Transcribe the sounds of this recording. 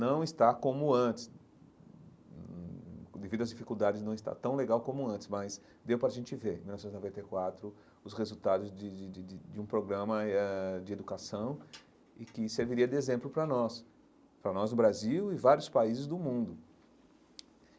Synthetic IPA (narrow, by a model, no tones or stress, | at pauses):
nɐ̃w̃ɪst̪akõmʊɐ̃t͡ʃ̪ɪ̥s | d̪evid̪ʊɐzd͡ʒifikuwd̪ad͡ʒɪznɐ̃w̃ɪst̪a̰t̪ɐ̃w̃leɡawkõmʊɐ̃nt͡ʃ̪ɪ̥smɐs | d̪ewpɾɐʒẽnt͡ʃɪveɾ̃miwnɔvsẽt̪znovẽnt̪ejkwat̪ɾʊ | ʊsʁezut̪ad̪ʊzd͡ʒɪd͡ʒɪɪɪd͡ʒɪũpɾoɡɾɐ̃mɐɛd͡ʒɪed̪ukasɐ̃w̃ | ɪkɪseɾviɾiɐd̪ezẽmplʊpɾɐnɔs | pɾɐnɔznʊbɾaziwɪvaɾjʊspaizɪzd̪ʊmũnd̪ʊ